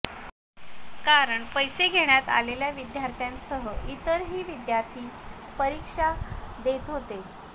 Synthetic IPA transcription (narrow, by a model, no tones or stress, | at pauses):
kaɾəɳpəjseɡʱeɳjat̪a̰leljaʋid̪jaɾt̪ʰjãnsəɦəʔit̪əɾɦiːʋid̪jaɾt̪ʰiː | pəɾikʂad̪et̪ɦot̪e